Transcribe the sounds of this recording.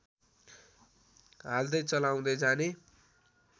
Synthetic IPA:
ɦald̪ʌjt͡sʌlaw̃d̪ʌjd͡zane

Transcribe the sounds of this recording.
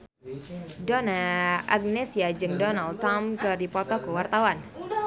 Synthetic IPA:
dɔnaʔaɡ̚nesiad͡ʒɨŋdɔnaldt̪amkɨrdipɔt̪ɔkəwart̪awan

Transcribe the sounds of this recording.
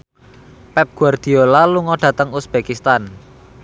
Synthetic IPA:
pɛp̚ɡ̥ṳard̪̥i̤olaluŋɔɖ̥ä̤t̪əŋusb̥ekist̪an

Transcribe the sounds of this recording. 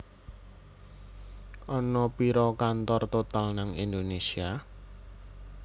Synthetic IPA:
ʔɔnɔpiɾɔkant̪ɔrt̪ot̪alnaŋind̪onesia

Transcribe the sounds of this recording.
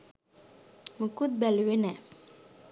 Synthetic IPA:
məkut̪̚bɛlwenɛ

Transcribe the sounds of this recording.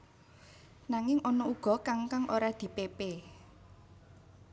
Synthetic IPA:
naŋɪŋɔnɔuɡ̥ɔ̤kaŋkaŋʔoɾad̪̥i̤pepe

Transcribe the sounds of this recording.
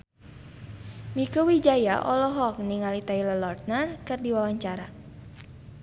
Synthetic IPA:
mikuwid͡ʒajaʔɔlɔɦɔk̚niŋalit̪ailɔlɔrt̪̚nərkɨrdiwawaɲt͡ʃaɾa

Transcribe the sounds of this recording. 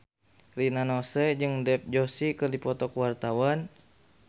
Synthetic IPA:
rinanɔsɛd͡ʒɨŋdɛp̚d͡ʒosikɨrdipɔt̪ɔkwart̪awan

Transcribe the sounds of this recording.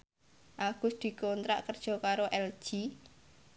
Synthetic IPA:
ʔaɡ̥ʊ̤sd̪̥i̤kont̪ɾa̰ʔkərd̥ʒ̥ɔ̤kaɾoʔɛl̥ʒ̥i

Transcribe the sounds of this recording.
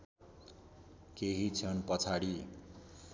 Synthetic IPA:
keɦit͡sʰʌnpʌt͡sʰaɽi

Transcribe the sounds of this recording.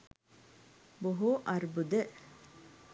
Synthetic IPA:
boɦuʔɐɾbud̪ə

